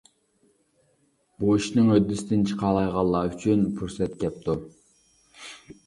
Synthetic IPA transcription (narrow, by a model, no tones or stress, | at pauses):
b̥oʃnɪŋød̪ːɪsɪd̪ɪnt͡ʃʰəqʰɑːlˠɑjʁɑlˠːɑːyt͡ʃʰynpʰuɾsɛt̪kʲɛp̚t̪ʰu